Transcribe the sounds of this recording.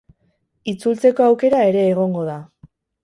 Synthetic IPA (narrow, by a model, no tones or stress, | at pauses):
it͡sult͡se̞ko̞awke̞ɾae̞ɾe̞ːɣ̞o̞ŋɡo̞ða